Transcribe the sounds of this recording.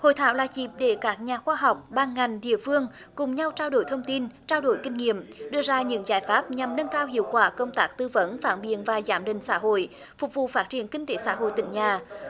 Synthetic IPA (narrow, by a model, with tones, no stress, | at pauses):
ho̰˧˨jt̪ʰa̰ː˧˥wlaː˨˩t͡ɕi˨˩p̚ɗe˧˩kaː˦˥k̚ɲaː˨˩xwaː˧ɦa˨˩wk͡p̚ɓaː˨˩nŋa˨˩jŋ̟ɗḭ˧˨əfɨ˧əŋ | kʊ˨˩ŋ͡mɲa˧wt͡ɕaː˧wɗo˧˩jt̪ʰə˧wŋ͡mt̪i˧nt͡ɕaː˧wɗo˧˩jkï˧ŋ̟ŋḭ˧˨əmɗɨ˧əzaː˧ɲɨ̰˧˥ŋzaː˧˩jfaː˦˥p̚ɲa˨˩mnə˧nkaː˧whḭ˧˨əwkwaː˧˩kə˧wŋ͡mt̪aː˦˥k̚t̪ɨ˧və˧˦˥nfa̰ː˧˩nɓḭ˧˨ənvaː˨˩zaː˨˦˥mɗï˨ŋ̟sa̰ː˧˥ɦo̰˧˨j | fʊ˨˩k͡p̚vṵ˧˨faː˦˥t̚t͡ɕi˧˩ənkï˧ŋ̟t̪e˨˦sa̰ː˧˥ɦo̰˧˨jt̪ï˧˩ŋ̟ɲaː˨˩